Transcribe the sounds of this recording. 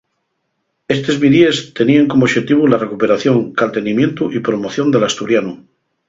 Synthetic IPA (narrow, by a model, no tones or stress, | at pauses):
e̞st̪e̞zβiðie̞st̪e̞niaŋkomoʃe̞t̪iβ̞ulare̞kupe̞ɾaθjo̞ŋkalt̪e̞nimjẽ̞nt̪uʔipɾo̞mo̞θjo̞nd̪e̞last̪uɾjanu